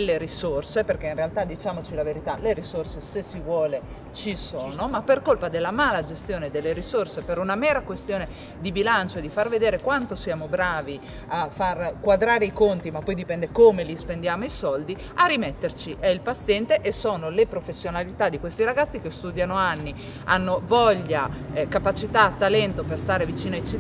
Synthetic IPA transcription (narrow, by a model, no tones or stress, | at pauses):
lːeɾisorseperk̟einrealt̪ad̪ːit͡ʃaːmot͡ʃilaveɾit̪aleɾisorsesesivwɔːle | t͡ʃisoːnomapːerkolpad̪elːamaːlad͡ʒest̪joːned̪elːeɾisorsepeɾunamɛːɾakwest̪joːne | d̪ibilant͡ʃoed̪ːifarved̪eːɾekwant̪osjaːmobɾaːvi | afːarkwad̪ɾaːɾeikont̪imapːɔjd̪ipɛnd̪ekomelispend̪jaːmoisɔld̪i | arimet̪ːert͡ʃiʔɛilpat̪sːjɛnt̪eʔesoːnolepɾofesːjonalit̪ad̪ːikwest̪iɾaɡat̪sːikest̪uːd̪janoanːi | a̰nːovɔʎːakapat͡ʃit̪aːt̪ːalɛnt̪operst̪aːɾevit͡ʃiːnoajt͡ʃi